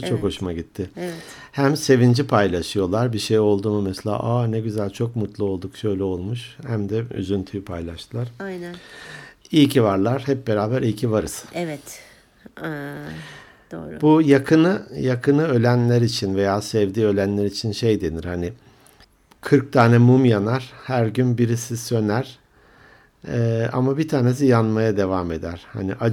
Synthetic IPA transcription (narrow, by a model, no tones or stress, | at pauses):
t͡ʃʰo̞kho̞ʃumaɟit̪ʰːɪɛ | hæmse̞vind͡ʒipʰajlˠaʃɯjo̞lˠaɾbiʃejo̞lˠd̪umumɛselʲa̰ːʔaːnɛɟyzælʲt͡ʃʰo̞k̚mut̪lˠuo̞lˠd̪ukʃø̞jlʲɛo̞lˠmuʃhæmd̪ɛy̰zynt̪ʰyjypʰajlˠaʃt̪ʰɯlˠaɾ̥aj̪ | ijcʰivaɾlˠaɾ̥hɛp̚be̞ɾaːbæɾijcʰivaɾɯsɯ̥evɛt̪ | d̪o̰ːbujakʰɯnɯjakʰɯnɯø̞lʲænlʲæɾit͡ʃʰinve̞jaːsɛvd̪iːø̞lʲænlʲeɾit͡ʃʰinʃejd̪e̞niɾ̥hanɪ | kʰɯɾk̚t̪ʰaːnɛmumjanaɾ̥hæɾɟynbiɾisisø̞næɾ̥ | a̰mabit̪ʰaːne̞s̬ijanmajad̪e̞vaːme̞d̪æɾ̥ha̰niʔa